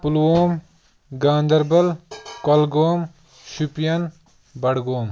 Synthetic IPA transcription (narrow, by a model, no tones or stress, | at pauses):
puloːm | ɡaːnd̪ɐɾbɐlkolɡoːm | ʃupjɐn | bɐɽɡoːm